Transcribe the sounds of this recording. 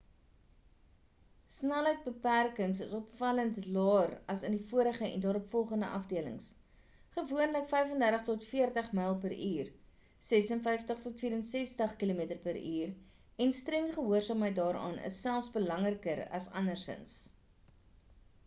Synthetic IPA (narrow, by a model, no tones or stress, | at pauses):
snɛlɦəjt̚bəpærkəŋsəsɔpfɐləntlɑːrɐsəndifuəɾəχəɛ̰ndɑːɾɔpfɔlˠχəndəʔɐfdiələ̰ŋs | χəvuənləkfɛjfəndærtəχtɔtfiərtəχmɐjlˠpəɾʔyːr | sɛsənfɛjftəχtɔtfiːɾənsɛstəχkilomitərpəɾyːr | ɛnstrɛŋχəɦuərsɑːmɦəjt̚dɑːɾɑ̰ːnʔə̰sːælˠfsbəlɐŋrəkəɾɐ̰sɐnərsə̰ns